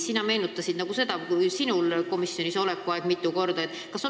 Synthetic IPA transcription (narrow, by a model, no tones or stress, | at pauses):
sinɑme̞ːnut̪ːˑɑsid̪nɑɡ̥use̞d̪̥ɑusinulko̞misːjo̞niso̞lekːuɑeɡ̥mit̪ːˑuko̞rd̪ɑet̪ːkɑso